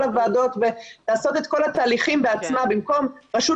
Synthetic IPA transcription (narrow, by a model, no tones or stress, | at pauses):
avaːdo̞t̪ve̞laːso̞t̪e̞t̪ko̞lat̪aːliχimbeat͡smabimko̞mʁaʃu